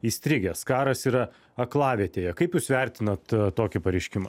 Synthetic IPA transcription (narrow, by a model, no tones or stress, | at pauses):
iːsʲt̪ʲɾʲɪɡʲɛskɑːɾɐsiːɾɐ | ɐklˠɑːʋʲiɛt̪ʲeːjɛkɐɪpjuːsʋʲɛɾʲt̪ʲɪnɐt̪t̪ːoːkʲɪpɐɾʲɛɪʃʲkʲɪmɐː